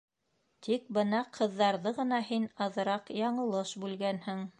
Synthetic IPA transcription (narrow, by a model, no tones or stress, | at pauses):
t̪ʰik̚bɤnɑqʰɤ̆ðːɑɾðɤʁɤ̆nɑhinɑðɤ̆ɾɑqjɑɴɤ̆lˠɤʃbʉlɡænhɘŋ